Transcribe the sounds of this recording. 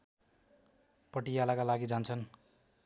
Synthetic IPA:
pʌʈijalakalaɡid͡zant͡sʰʌn

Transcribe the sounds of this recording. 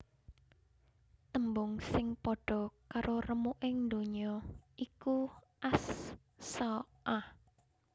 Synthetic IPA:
t̪əmbʊŋsɪŋpɔɖ̥ɔ̤kaɾʔorəmuʔɪŋnd̪oɲɔʔiku | ʔasː | ɔ | ʔah

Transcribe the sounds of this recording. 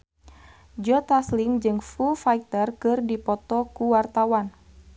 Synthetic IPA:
d͡ʒɔt̪aslɪŋd͡ʒɨŋfufait̪ərkɨrdipɔt̪ɔkuwart̪awan

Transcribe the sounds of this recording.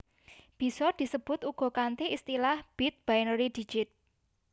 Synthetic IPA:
b̥i̤sɔd̪̥i̤səb̥ʊ̤t̪uɡ̥ɔ̤kant̪eist̪ilahb̥it̪̚b̥ajnəɾid̪̥i̤̥d͡ʒ̥ɪt̪̚

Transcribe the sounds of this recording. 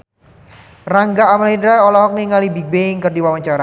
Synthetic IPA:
raŋɡaːmalindɾaɔlaɦɔk̚niŋalibibeiŋkərdiwawaɲt͡ʃaɾa

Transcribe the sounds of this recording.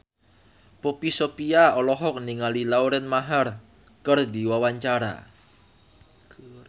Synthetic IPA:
popisopiaɔlɔɦɔk̚niŋalilauɾɛnmaɦar | kərd̪i̤wawaɲt͡ʃaɾa̰

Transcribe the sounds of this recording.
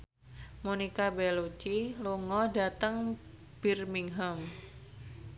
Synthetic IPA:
monikabɛlot͡ʃiluŋɔda̤t̪əŋ | b̥irmiŋɦəm

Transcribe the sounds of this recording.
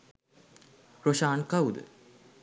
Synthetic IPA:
ɾoʃaːnkawd̪ə̰

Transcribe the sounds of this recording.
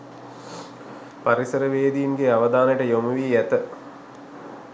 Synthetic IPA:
paɾisəɾəʋeːd̪iinɡeaʋəd̪aːnəʈəjomuʋiæt̪ə

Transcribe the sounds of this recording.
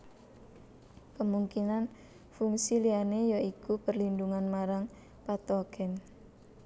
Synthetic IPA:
kəmuŋkinan | fuŋsilianejaikupərlinduŋanmaɾaŋ | pat̪ɔɡ̥ɛn

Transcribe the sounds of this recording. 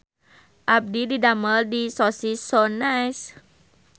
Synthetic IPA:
ʔap̚dididaməldisɔsisonajs

